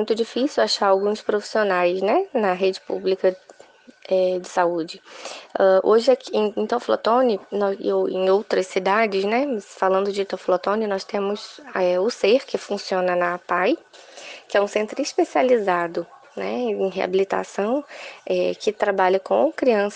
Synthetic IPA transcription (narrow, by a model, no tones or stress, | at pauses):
mũj̃t̪ʊd͡ʒifisiwaʃaɾawɡũspɾofi̥sionajznɛnɐɦed͡ʒɪpṵblikɐ | ɛd͡ʒɪsaud͡ʒɪɛʔoʒɪakẽẽt̪oflo̰t̪õnɪnɔ̰owḛ̃j̃owt̪ɾɐsːid̪ad͡ʒɪsnɛmɐsfalɐ̃nd̪ʊd͡ʒɪt̪oflot̪õnɪnɔst̪ẽmʊzɛʊseɾkɪfũsiõnɐnɐpaj | kɪɛũsẽnt̪ɾʊɪspesializad̪ʊ | nɛ̰ẽj̃ɦea̰bilit̪a̰sɐ̃w̃ɛkɪt̪ɾabaʎɐkõ̰kɾiɐ̃s